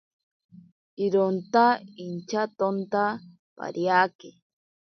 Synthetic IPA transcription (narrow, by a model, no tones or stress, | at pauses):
iɾont̪aint͡ʃat̪ont̪a | pa̰ɾjaːke